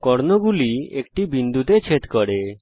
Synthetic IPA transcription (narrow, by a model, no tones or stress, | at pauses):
kɔɾnoɡuliekʈibind̪ut̪et͡ʃʰet̪kɔɽe